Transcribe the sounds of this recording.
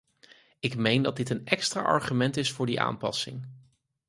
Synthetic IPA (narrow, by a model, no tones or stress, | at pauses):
ɪkmejndɑdɪtənɛkstra̰ːʔɑ̰ɹχymɛntɪsfʊːɹdiʔa̰ːmpɑsɪ̰ŋ